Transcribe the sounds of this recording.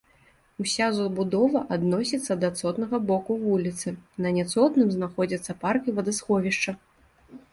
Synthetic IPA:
usʲazbud̪ɔvɐʔad̪nɔsʲit̪sːɐd̪at̪sɔt̪nɐɣɐbɔkuvulʲit̪sɨnɐnʲat̪sɔt̪nɨmznaxɔd͡zʲɐt̪sːɐparkivɐd̪asxɔvʲiʂt͡ʂɐ

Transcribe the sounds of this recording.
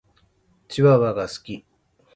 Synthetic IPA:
t͡ɕiβaβaɡasɨ̥kʲi

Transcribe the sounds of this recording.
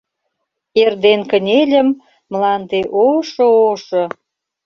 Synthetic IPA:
erd̪enkə̆nʲelʲə̆mː | lɑnt̪eʔoʃə̆oʃɤ̆

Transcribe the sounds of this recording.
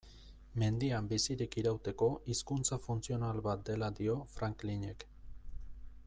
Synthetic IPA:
me̞nd̪iambisiɾikiɾawt̪e̞ko̞ʔiskunt͡safunt͡sio̞nalβat̪̚d̪e̞lad̪io̞fɾaŋkline̞k

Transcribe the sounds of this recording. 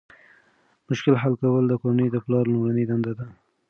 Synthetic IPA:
mʊʃkɪlɦalkawəld̪əkoɾanəjd̪əplɑɾlʊmɽaned̪and̪ad̪a

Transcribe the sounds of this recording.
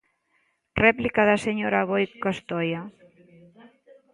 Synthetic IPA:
rɛplikaðaseɲoɾaβojkast̪ɔja

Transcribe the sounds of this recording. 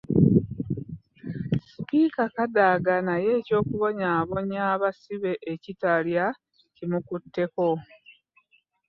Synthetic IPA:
si̥piːkakadaɡanaje̞ːco̞ːkuβo̞ɲaːβo̞ɲaːβasiβe̞ʔecitalja | cimukutːe̞ko

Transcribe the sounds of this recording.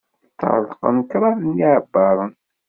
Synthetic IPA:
t̪ːə̰ɾˤðˤqə̰nkɾˤɑɾəniʕəbːɑɾˤən

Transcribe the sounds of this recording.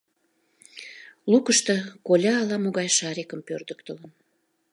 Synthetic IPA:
lukəʃt̪ɤkolʲɑːlɑmoɣɑjʃɑɾekəmpørd̪ək̚t̪ələn

